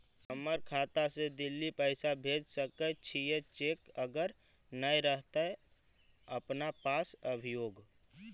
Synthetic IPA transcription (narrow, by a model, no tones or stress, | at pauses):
ɦəməɾkʰaːt̪ased̪ɪlːipəɪsabʱeːd͡ʒsəkət͡ʃʰijet͡ʃeːkəɡəɾ | nəjɾəɦt̪aɛ | əpnapaːsəbʱijoːɡ